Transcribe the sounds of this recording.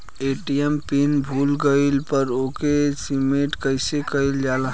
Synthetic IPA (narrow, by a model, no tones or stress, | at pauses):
eʈijempinbʱulɡəɪlpəɾokesimeʈkəɪsekəɪld͡ʒalɦ